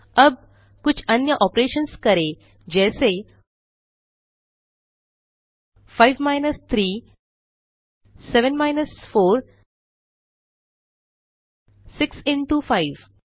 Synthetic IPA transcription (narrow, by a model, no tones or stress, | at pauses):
əb̚ | kut͡ɕʰənjəʔɔpɾeʃənskəɾe | d͡ʑɛse | faiʋmajnəst̪ʰɾiː | seʋənmajnəsfoɾ | siksiɳʈufaiʋ